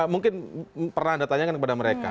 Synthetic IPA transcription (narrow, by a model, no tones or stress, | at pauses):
muŋkɪnpərnahandat̪aɲakankəpadaməɾeka̰